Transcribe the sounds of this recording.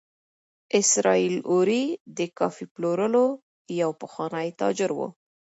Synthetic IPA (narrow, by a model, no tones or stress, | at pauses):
ɪsɾɑiloɾid̪əkɑfiploɾəlo | jawpəxwɑnəjt̪ɑ̰d͡ʒɪɾwo̰